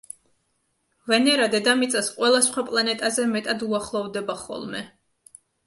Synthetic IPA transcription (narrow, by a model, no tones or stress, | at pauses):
vɛnɛɾad̪ɛd̪amit̪sʼasqʼwɛlˠasχwapʼlˠanɛt̪ʼazɛmɛt̪ʼad̪uaχlˠɔvd̪ɛbaχɔ̰lˠmɛ̰